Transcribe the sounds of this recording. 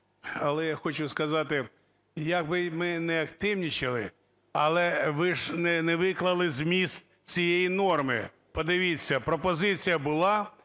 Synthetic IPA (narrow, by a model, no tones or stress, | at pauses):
ɐlˠɛjaxɔt͡ʃʊskɐzɑt̪ɪ | jɐɡ̚bɪmɪnɛɐkt̪ɪwnʲit͡ʃɪlˠɪ̰ | ɐlˠɛʋɪʒnɛnɛʋɪklˠɐlˠɪzʲmʲist̪̚ | t͡sʲijejinɔrmɪ̰ | pɔd̪ɪʋʲit͡sʲːɐpɾɔpɔzɪt͡sʲijɐbʊlˠɑ